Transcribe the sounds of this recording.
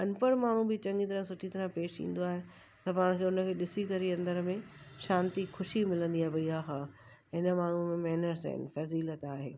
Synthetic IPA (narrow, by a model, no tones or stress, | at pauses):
ɐnpəɽmaːɳ̤ũbɪt͡ɕɐ̃ŋɡit̪̬ɐɾãsʊʈʰit̪ɐɾãpeːʃḭ̃ːn̆d̪oaːɦe | sɐbʱaːɽ̃kʰeːʊnə̆kʰeːɗɪsikɐɾiɐ̃nd̪əɾmẽʃãːnt̪ixʊʃimɪlə̃nd̪iaːɦbɐiaːɦa | ɦɪnəmaːɳ̤ũmẽmɛɦnəɾsa̰ɪ̰nfɐziːlət̪aːɦḛː